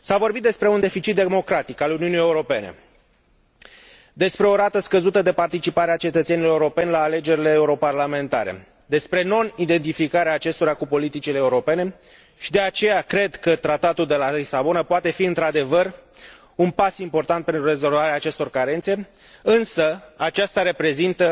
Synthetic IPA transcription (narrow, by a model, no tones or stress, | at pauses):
savo̞rbit̪d̪e̞spɾe̞und̪e̞fit͡ʃit̪̚d̪emo̞kɾat̪ikaluniunije̞uɾo̞pe̞ne̞̰ | d̪e̞spɾe̞o̞ɾat̪əskəzut̪əd̪e̞part̪it͡ʃipaɾeat͡ʃe̞t̪ət̪se̞niloeuɾo̞pe̞nʲlaːle̞d͡ʒe̞ɾile̞ːuɾo̞parlame̞nt̪a̰ɾe̞̰ | d̪e̞spɾe̞no̞nid̪e̞nt̪ifikaɾeaːt͡ʃe̞st̪o̞ɾakupo̞lit̪it͡ʃileːuɾo̞pe̞ne̞ | ʃid̪e̞at͡ʃe̞jakɾe̞d̪kət̪ɾat̪at̪uld̪e̞lalisabo̞napoat̪e̞fiɨnt̪ɾad̪e̞vər | unpasimpo̞rt̪ant̪̚pe̞nt̪ɾure̞zo̞lvaɾeaːt͡ʃe̞st̪o̞rkaɾe̞nt̪se̞ | ɨnsəat͡ʃast̪aɾe̞pɾe̞zint̪ə